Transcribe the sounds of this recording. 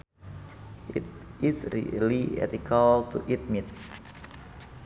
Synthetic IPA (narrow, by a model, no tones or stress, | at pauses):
ʔḭt̪̚isɾḭliɛ̰t̪ikʰalt̪uʔit̪̚mit̪̚